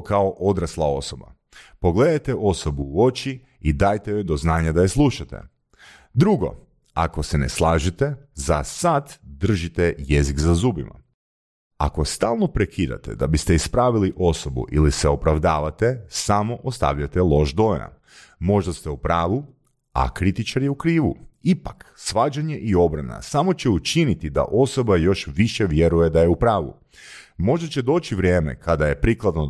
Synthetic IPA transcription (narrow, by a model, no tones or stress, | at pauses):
kaoʔo̞d̪ɾaslˠao̞soba̰ | po̞ɡle̞d̪ajt̪eʔo̞sobuuo̞t͡ʃi | id̪aːjt̪ejod̪oznaːɲad̪ajeslˠuʃat̪ḛ | d̪ɾuɡo̞̰ | ako̞senḛslˠaːʒit̪ezasad̪d̪r̩ʒit̪ɛje̞ziɡzazuːbima̰ | a̰ko̞st̪aːlˠno̞pɾekʰiːd̪a̰t̪ḛd̪abist̪eispɾaːʋiliʔo̞so̞bṵʔilisɛopɾaʋd̪aːʋat̪esamo̞ʔost̪a̰ʋʎat̪elˠo̞ʒd̪o̞na̰ | mo̞ʒd̪ast̪eupɾaːʋu | a̰kɾit̪it͡ʃaɾiukɾiːʋṵipaksʋaːd͡ʒaɲe̞ʔio̞bɾana̰samo̞t͡ɕe̞ut͡ʃinit̪id̪a̰ʔo̞so̞bajo̞ʃʋiʃeʋje̞ɾuje̞d̪aje̞upɾaːʋṵ | mo̞ʒd̪at͡ɕed̪o̞ːt͡ɕiʋɾje̞ːme̞̰kʰad̪aje̞pɾiklˠad̪no